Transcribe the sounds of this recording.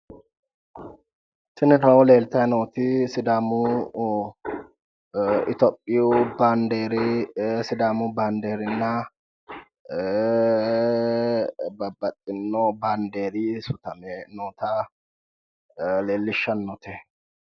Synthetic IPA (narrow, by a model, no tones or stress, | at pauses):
sɪnɪt̪ɐwɔle̞ːlt̪ɐjnoːt̪ɪsɪd̪aːmu | ɪt̪ɔpʼːɪjuband̪eːɾsɪd̪aːmʊband̪eːɾɪnːɐ | bɐbɐt̪ʼːɪnːɔband̪eːɾisʊt̪ɐmɛnoːt̪a | leːlːɪʃːɐnːɔt̪ʰɛ